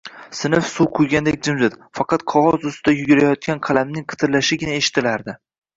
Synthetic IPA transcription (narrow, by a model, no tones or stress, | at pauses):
sɪnɪfsuwqʰʊjɡʲand̪ekʲd͡ʒɪmzɪt̪fɑqʰɑt̪qʰɒʁɒzʊst̪ɪd̪ajʊɡʲɪɾajɒt̪̚kʲanqʰɑlamnɪŋqʰɨ̥t̪ʰɪɾlaʃɪɡʲɪnaeʃɪ̥t̪ʰːɪlaɾd̪ɪ